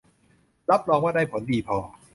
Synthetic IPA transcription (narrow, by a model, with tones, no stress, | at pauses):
ɾa˦˥p̚ɾɔː˧ŋwaː˥˩da˥˩jpʰo˩˦ndiː˧˩pʰɔː˧˩